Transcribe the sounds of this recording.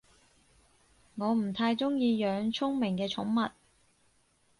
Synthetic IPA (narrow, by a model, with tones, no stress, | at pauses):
ŋɔː˨˧m̩˨˩t̪ʰaː˧jt͡sʊ˥ŋjiː˧jœː˨˧˥ŋt͡sʰʊ˥ŋmɪ˨˩ŋkɛː˧t͡ʃʰʊ˨˥ŋmɐ˨t̚